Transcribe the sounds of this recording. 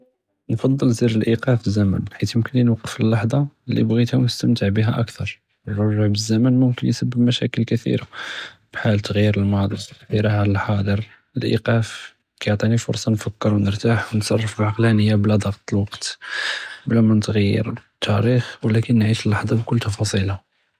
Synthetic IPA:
nfɑd̪ˤːəlziɾəlʔiqɑfəzːæmə̰nħit̪jəmkəninwɑqːə̥fəlːɑħd̪ˤɑlḭbɣit̪hæwnəst̪əmt̪əʕbiɦæʔækt̪ʰɑɾˤ | wːɑʒːaʕbəzːæmənmʊmkənjsəbːəbmæʃæ̰kəlkət̪ḭɾab̥ħalt̪ːɣjːəɾəlmɑd̪ˤiiɾɑʕʕaləlħɑd̪ˤəɾ | əlʔḭqæf | kajʕt̪ˤinifʊ̰ɾsˤɑnfəkːəɾwnəɾt̪aħwnsˤɑrˤːəfəbʕɑqlænəjːablæd̪ˤɑɣt̪ˤəlwɑqt̪ | blæmænt̪ɣajːə̰ɾt̪ʰːæɾixwəlækənːʕiʃəlːɑħd̪ˤɑbkʊlːt̪ɑfɑsˤilɑ

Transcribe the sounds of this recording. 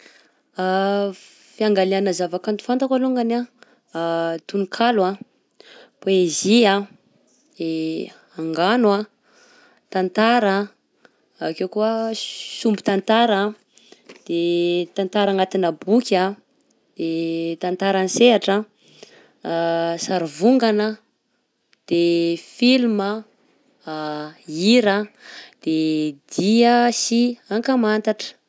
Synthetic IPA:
a | fiaŋɡaleanəzavakant̪u̥fant̪akaluŋɡana | t̪unikʰalwa | peezia | e | aŋɡanwa | t̪ant̪aɾa | akewkuəsumbut̪ant̪aɾa | d̪̥et̪ant̪aɾaŋat̪inəbukʲa | d̪̥et̪ant̪aɾaniseaʈ͡ʂa | saɾuvuŋɡanə | d̪̥efilmə | iɾad̪̥ed̪̥iəsiaŋkəmant̪aʈ͡ʂə̥

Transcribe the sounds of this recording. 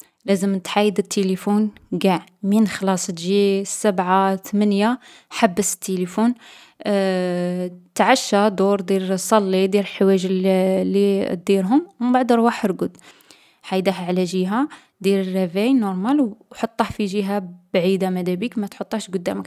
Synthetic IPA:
læzəmt̪ħajːəd̪ət̪ʰːelifunɡaʕminxlɑsˤt̪ʒisəbʕat̪mənja | ħabːəsə̥t̪ːelifun | t̪ʕaʃːad̪uɾd̪iɾsˤɑlːid̪iɾəlħwæʒlːid̪iɾɦʊmwməmbaʕd̪ɾˤwaħɾɡʊd̪ | ħajd̪ahʕlæʒiɦa | d̪iɾərːævæjnoɾˤmælwħot̪ˤːɑhfiʒiɦabʕid̪amæd̪æbikmæt̪ħot̪ˤːɑʃɡʊd̪ːæmək

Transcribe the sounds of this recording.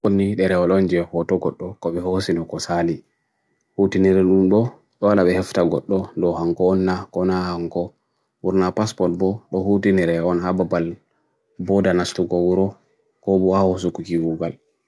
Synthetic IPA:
onːiɗɛɾɛɔlɔnd͡ʒɛhɔtɔɡɔɗːɔkɔɓɛhosinɔkɔsali | hutiniɾɛɗumɗɔ | ɗɔwalaɓɛhɛftaɡɔɗːɔdɔhaŋkɔːnːakɔnahaŋkɔ | wuɾnapaspɔt̚bɔɗɔhutiniɾɛɔnhababal | bɔdanastuɡɔwuɾɔ | kɔɓɔhahɔs̬ukːukiwuɡal

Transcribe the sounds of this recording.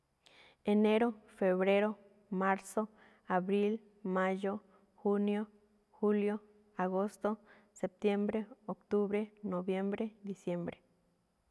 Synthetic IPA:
eneɾofeβɾeɾo | maɾso | aβɾil | majo | xunjo | xuljo | aɣost̪o | sep̚t̪jembɾeokt̪uβɾenoβjembɾed̪isjembɾe

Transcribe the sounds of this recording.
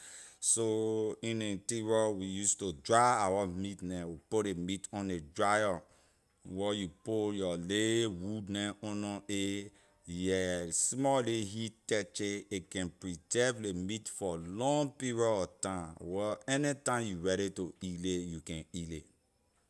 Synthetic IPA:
soĩnetiɹɔwijustodɹaawamitnɛ̃wipolemitɔ̃nedɹajɔ | wɛjupojɔlewudnɛ̃ɔ̃nɔ̃e | jɛsmɔliɦittɛt͡ʃeekɛ̃npɹitɛvlemitfɔlɔ̃ŋpiɹɔɔtãwɛɛnitãmjuɹɛɾitoilejukɛ̃nile

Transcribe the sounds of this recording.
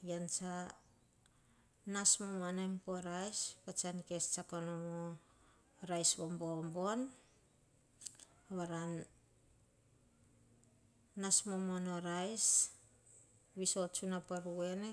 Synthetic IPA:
jant͡ʃa | nasmomanempoɾajspat͡ʃankest͡ʃakonomo | ɾajsβombombo̞n | βaɾan | asmomonoɾajs | βisot͡ʃunapaɾue̞ne

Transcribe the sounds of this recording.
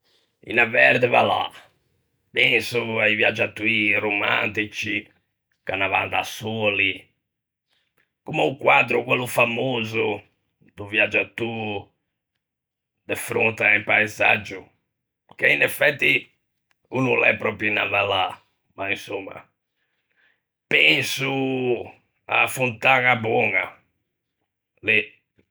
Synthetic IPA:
ḭnavɛɾd̪ɛva̰la̰ | pɛnsuaivjad͡ʒat̪ːuiromaa̰nt̪it͡ʃi | kanava̰nd̪asɔːli | kumɛukwad̪ɾukwɛlːufamoːzu | d̪uvjad͡ʒat̪ːu | d̪efɾo̰nt̪aempajza̰d͡ʒu | keinɛfɛt̪ːi | unulɛpɾɔpɾjuna̰vala | maĩsomːa̰ | pɛ̃nsu | a̰funt̪aɣabɔŋa | li

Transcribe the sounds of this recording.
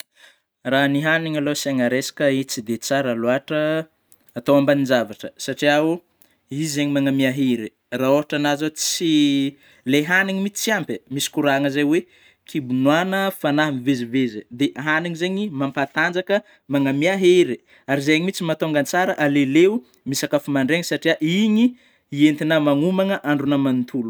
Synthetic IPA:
raniɦaniŋalosaŋaɾesḁkəit͡sid̪et͡saɾaloaʈ͡ʂəː | t̪owambanizavaʈ͡ʂəsaʈ͡ʂiau | izeɲimaŋamiaɦeɾi | raoɦaʈ͡ʂanazat͡si | leɦaniɲimit͡si̥t͡siampemisi̥kuɾaŋəzejwe | kʰibunwanəfanaɦamivezivezəd̪eʔɦaniŋizeɲimampat̪and͡zakə | maŋamiaɦeɾe | aɾizejaɲimit͡simat̪oŋɡant͡saɾəʔaleleu | misakafumaɳɖ͡ʐeŋisaʈ͡ʂiaʔiɲi | ient̪inəmaŋumaŋəʔaɳɖ͡ʐunəmanit̪ʰulu̥

